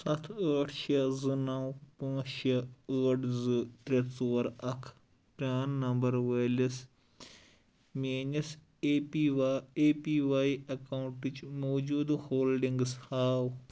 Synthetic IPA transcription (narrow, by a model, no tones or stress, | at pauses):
sɐt̪ʰəːʈʰʃɐzɨnɐwpãːʃɐəːʈʰzɨt̪ɾet͡soːɾɐkʰ | ʈɾʲaːnːɐmbɐɾʋeːlɐs | meːnɐs | ieːpiːʋaːiɐkawuɳʈit͡ʃmoːd͡ʒuːd̪hoːlɖiŋɡshaːw